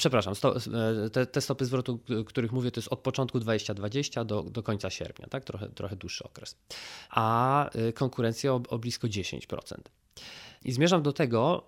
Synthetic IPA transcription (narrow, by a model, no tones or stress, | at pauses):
pʂɛpɾaʂamst̪ɔt̪ɛt̪ɛst̪ɔpɘzvɾɔt̪ukt̪uɾɘxmuvʲjɛt̪ɔjɛst̪ɔt̪̚pɔt͡ʂɔnt̪̚kud̪vad͡ʑeɕt͡ɕad̪vad͡ʑeɕt͡ɕad̪ɔd̪ɔkɔɲtsaɕɛ̰ɾpʲɲa̰t̪ak̚t̪ɾɔxɛ̰t̪ɾɔxɛd̪wuʂːɘɔkɾɛsʔakɔŋkuɾɛnt̪sʲjaɔɔblʲiskɔd͡ʑeɕḛɲt͡ɕpɾɔ̰t̪sɛ̰nt̪ | ʔizmʲeʐamd̪ɔt̪ɛɡɔ